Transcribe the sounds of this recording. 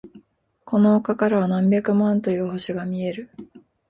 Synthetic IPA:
ko̞no̞okakaɾaβanãmbʲakɯ̟mãnt̪o̞jɯ̟ːho̞ɕiɡamʲie̞ɾɯ̟

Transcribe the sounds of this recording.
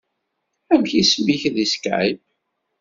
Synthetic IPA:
æmçisəmiçðiskʕib

